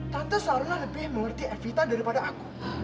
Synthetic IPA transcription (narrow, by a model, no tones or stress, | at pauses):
t̪ant̪əsəaɾalahləbɪhməŋərt̪iɛfit̪adaɾipadaʔaku